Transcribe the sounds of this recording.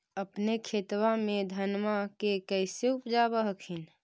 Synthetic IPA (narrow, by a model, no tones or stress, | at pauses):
əpnekʰet̪wamẽd̪ʱənmakekəɪseupd͡ʒabəɦəkʰin